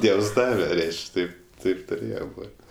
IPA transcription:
ˈdʲiɛws ˈdɑːʋʲɛ ˈrʲɛɪʃʲkʲ ˈtɐɪp ˈtɐɪp tʊˈrʲeːjɛ ˈboːtʲ

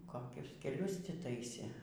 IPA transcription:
koːˈkʲʊs kʲɛˈlʲʊs tʲɪ ˈtɐɪsʲeː

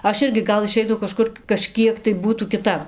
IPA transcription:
ˈɐʃ ˈɪrʲɡʲɪ ˈɡɐlˠ ɪˈʃʲɛɪtɐʊ kɐˈʃkʊr kɐˈʃʲkʲiɛk tɐɪ ˈbuːtuː kʲɪˈtɐp

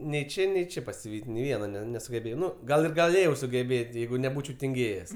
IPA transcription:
nʲɛɪ ˈt͡ʃʲeː nʲɛɪ ˈt͡ʃʲeː pɐsʲɪˈʋʲiːtʲ nʲɛɪ ˈʋʲiɛnɐ ˈnʲɛ nʲɛsʊɡʲɛˈbʲeːjɛʊ ˈnʊ ˈɡɐlˠ ɪr ɡɐˈlʲeːjɛʊ sʊɡʲɛˈbʲeːtʲ ˈjɛɪɡʊ nʲɛˈbuːt͡ʃʲɛʊ tʲɪŋʲˈɡʲeːjɛs

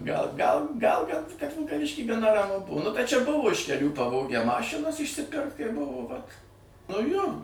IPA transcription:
ɡɐlˠ ɡɐlˠ ɡɐlˠ kɐt kɐt ʋʲɪlˠkɐˈʋʲɪʃʲkʲiː ɡɐˈnɐ rɐˈmʊ ˈbʊʊ nʊ bʲɛt t͡ʃʲɛ ˈbʊʋoː ɪʃ kʲɛˈlʲuː pɐˈʋoːɡʲæː ˈmɑːʃʲɪnɐs ɪʃʲsʲɪˈpʲɪrkt kɐɪ ˈbʊʋoː ʋɐt nʊ joː

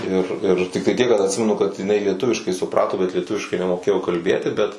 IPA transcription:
ɪr ɪr tʲɪkˈtɐɪ tʲiɛk kɐt ɐtʲˈsʲɪmʲɛnʊ kɐt ɪˈnɐɪ lʲiɛˈtʊʋʲɪʃkɐɪ sʊˈprɑːtoː bʲɛt lʲiɛˈtʊʋʲɪʃkɐɪ nʲɛmoːˈkʲeːjoː kɐlʲˈbʲeːtʲɪ bʲɛt

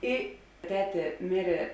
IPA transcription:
ˈɪ ˈtʲæːtʲeː ˈmʲɪrʲeː

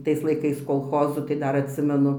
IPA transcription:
ˈtɐɪs lˠɐɪˈkɐɪs koːlˠˈxoːzuː tɐɪ ˈdɐr ɐtʲˈsʲɪmʲɛnʊ

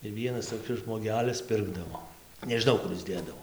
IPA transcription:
tɐɪ ˈʋʲiɛnɐs toːˈkʲɪs ʒmoːˈɡʲæːlʲɪs ˈpʲɪrɡdɐʋoː nʲɛʒʲɪˈnɐʊ ˈkʊr ɪs ˈdʲeːdɐʋoː

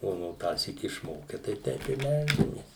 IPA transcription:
ˈoː noː ˈtɑːsʲiːk ɪʃˈmoːkʲɛ ˈtɐɪ ˈtʲɛɪp ɪ ˈmʲɛlʲd͡ʒʲɛmʲeːs

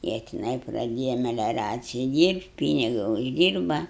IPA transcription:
ˈjiɛ tʲɪˈnɐɪ prɐˈdʲeːjɛ mʲɛlʲɛˈrɑːt͡sʲɪjɪ ˈdʲiːrpt ˈpʲiːnʲɪɡɐ ʊʒʲˈdʲiːrbɐ

